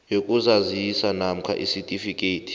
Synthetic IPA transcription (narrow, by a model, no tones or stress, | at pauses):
jokʼuzazisanam̩kʰa̰ʔisitʼifikʼeːtʰi̥